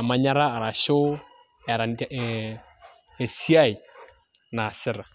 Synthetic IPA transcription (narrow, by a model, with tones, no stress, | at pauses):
a˨ma˨ɲa˦ɾaː˦˨ɾa˨ʃo˦˨ | ɾa˨n | e˨si˦a˦˨i˨ | naː˨sɪ˦ɾa˨